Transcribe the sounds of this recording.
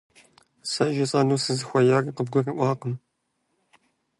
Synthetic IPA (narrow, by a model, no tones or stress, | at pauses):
sɐʒɐt͡sʼaːnuːsɨzɨxʷɐjaːriːqəb̚ɡʷɔriʔʷɑːqəm